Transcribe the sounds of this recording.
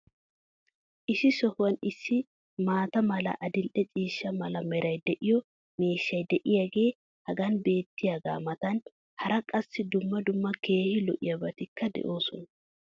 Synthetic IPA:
ʔɪʃɪsɔhʊwɐnɪsːɪ | maːt̪ɐmɐlɐ̰ʔɐd̪ɪlʔɛt͡sʼiːʃːɐmɐlɐmɛɾɐjd̪ɛʔɪjɔ | meːʃːɐjd̪ɛʔɪjaːɡe̞ː | hɐɡɐnbe̞ːt̪ːɪjaɡa̰ːmɐt̪ɐn | hɐɾɐkʼɐsːɪd̪ʊmːɐd̪ʊmːɐke̞ːhɪlɔ̰ʔɪjɐbɐt̪ɪkːɐd̪ɛ̰ʔo̞ːsɔnɐ

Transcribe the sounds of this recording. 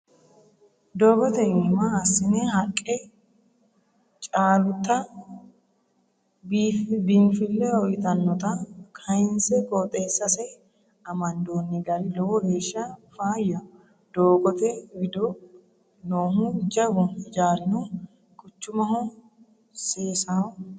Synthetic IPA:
d̪oːɡɔt̪ɛmɐɐsːɪnɛɦɐkʼːɛ | t͡ʃʼaːlʊt̪ːɐ | bbiːnfɪlːɛɔjɪt̪ɐnːɔt̪ɐkʰɐjɪnsɛkʼɔt̪ʼeːsːɐsɛ | ɐmɐnd̪oːnːɪɡɐɾɪlɔwɔheːʃːɐfaːjːɐ | d̪̥oːɡɔt̪ɛwɪd̪ɔ | noːɦʊd͡ʒɐbʊd͡ʒaːlnu | kʼʊt͡ʃːʊmɐhʊ | seːsɐʊ

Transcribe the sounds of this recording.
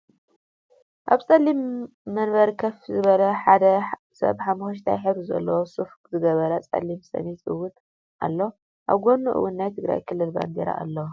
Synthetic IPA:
ʔaβt͡sʼɐlːimː | ɐnbɐɾkʰɐfzɨβɐlɐħad̪ɐ | sɐ̰βħamuxɐʃ̬t̪ʰa̰jħɨβɾɨzɐ̰lːɐwosuf | zɨɡɐβɐɾɐt͡sʼɐ̰limsɐ̰nit̪ʼɨwːʊn | ʔa̰lːo | ʔaβɡonːuʔɨ̰wːunːajt̪ʰɨɡɾa̰jkʰɨlːɨlba̰nd̪ḛɾa̰ʔa̰lːɐw

